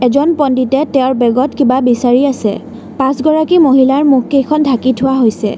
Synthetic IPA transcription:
ɛzɔnpɔnditɛtɛʊɹbɛɡɔtkibabisaɹiasɛ̰ | pãsɡɔɹakimoɦilaɹmukkejkʰɔndʱakitʰʊwaɦojsɛ̰

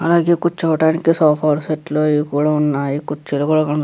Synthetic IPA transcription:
ɐlaːɡeːkut͡ʃːt͡ʃːɐʋɐʈaːnikːisaːpʰaːɾseʈloːikuːɽaunːaːjikut͡ʃːilokuːɽakɐ

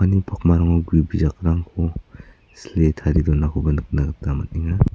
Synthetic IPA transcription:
anipʰakmaɾaŋɔɡuibizak̚ɾaŋkʰɔ | sletʰaɾidɔnakʰɔbɐnɯk̚naɡatamaniŋa

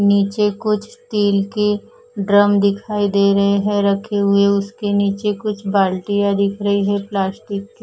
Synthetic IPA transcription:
niːt͡ʃekʊt͡ʃʰst̪iːlki | ɖɾəmd̪ɪkʰaːid̪eːɾɐɦeɦɛɾɐkʰeɦʊeʊskeniːt͡ʃekʊt͡ʃʰbaːlʈijad̪ɪkʰɾɐɦiɦɛplaːsʈɪkːi

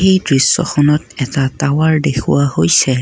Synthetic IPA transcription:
ejdɹisːɔ̰xɔnɔtɛtatawaɹdekʰṵwahojsɛ

